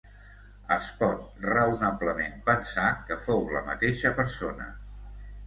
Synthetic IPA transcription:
əspɔt̪̚rəunabləmempənsakəfowləmə̰t̪eʃəpəɾsonə̰

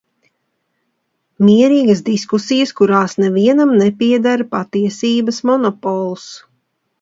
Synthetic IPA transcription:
miɛɾiːɡəsd̪iskusijəskuɾaːsnɛviɛnamnɛpiɛd̪aɾpat̪iɛsiːbɐsmɔnɔpɔlˠus

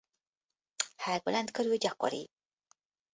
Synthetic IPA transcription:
haɡolænt̪køɾylɟɒko̰ɾḭ

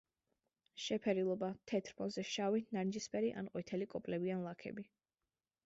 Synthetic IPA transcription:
ʃɛpʰɛɾilˠɔbat̪ʰɛt̪ʰɾpʰɔzɛʃavinaɾnd͡ʒispʰʼɛɾiʔa̰nqʼwɛit̪ʰɛlikʼɔpʼlɛbianlˠakʰɛ̰bi

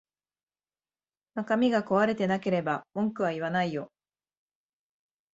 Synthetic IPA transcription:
nakamʲiɡako̞βaɾe̞t̪e̞nake̞ɾe̞bamõ̞ŋkɯ̟βaiβanaijo̞

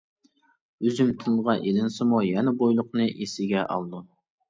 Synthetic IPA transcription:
øzymt̪ʰɨlˠʁɑʔelɪnsɨmujɛnɪbojlˠʊqnɨʔesɪɡʲɛʔɑ̰lˠd̪u

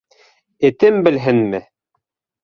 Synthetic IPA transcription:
ɘ̆t̪ɘmbɘ̆lɦɘnmɘ

